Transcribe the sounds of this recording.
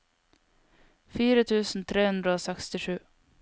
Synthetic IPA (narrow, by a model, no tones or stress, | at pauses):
fyːɾət̪ʰʉ̟ːsn̩t̪ʰɾeːhɵnd̪ɾəoːsɛkst̪ɪʂʉ̟ː